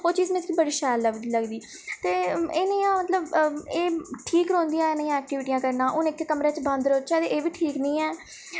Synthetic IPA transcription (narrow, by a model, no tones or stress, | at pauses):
ɦoːɾt͡ʃiːzmẽt̪kibəɽiːʃɛːlːəɡləɡd̪iː | t̪eːɪnẽjãːmət̪ləbeːʈʰiːkɾõːnd̪ijãːɪnẽːjãːɛːk̚ʈɪʋɪʈijãːkəɾnãːʔʊnɪkːekəmɾẽːt͡ʃbə̃nd̪ɾoːt͡ʃaːd̪eːʔeːʋiːʈʰiːknĩːɛː